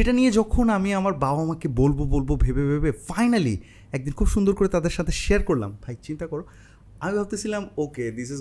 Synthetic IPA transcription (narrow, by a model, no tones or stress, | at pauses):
eʈanijed͡ʑɔkʰonamiamaɾbaamakebolbobolbobʱebebʱebefajnalḭ | ɛk̚d̪inkʰubʃund̪oɾkoɾet̪ad̪eɾʃat̪ʰeʃeaɾkoɾla̰mbʱajt͡ɕint̪akɔɾo | amibʱab̚t̪et͡ɕʰilamoked̪is̬iz